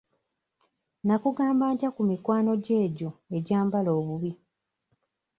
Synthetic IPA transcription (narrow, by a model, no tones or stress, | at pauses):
nakuɡaːmbaːntjakumikwaːno̞ɟe̞ːɟo̞e̞ɟaːmbalo̞ːβuβi